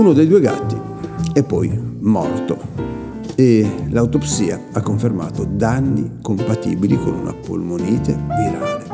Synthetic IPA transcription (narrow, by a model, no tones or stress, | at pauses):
unod̪ejd̪ueɡa̰t̪ːi | ɛpːɔjmɔ̰rt̪o | elawt̪opsiːa | akːoɱferma̰ːt̪od̪anːikompat̪ḭːbilikonṵnʔa̰po̰lmoniːt̪emiɾa̰ːle